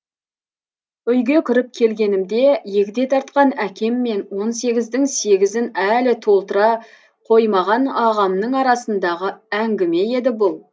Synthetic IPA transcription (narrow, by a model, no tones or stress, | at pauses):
ʏjɡʲe̞kʲʰʏɾɪp̚kʲʰe̞lɡʲe̞nɪmd̪e̞jekʲɪd̪e̞t̪ʰɑɾt̪̚qɑnækʲe̞mːe̞nwo̞nse̞ɡʲɪzd̪ɪŋse̞ɡʲɪzɪnælɪt̪ʰo̞lˠt̪əɾɑ | qʰo̞jmɑʁɑnɑʁɑmnəɴɑɾɑsənd̪ɑʁəæŋɡʲɪme̞e̞d̪ɪbʊlˠ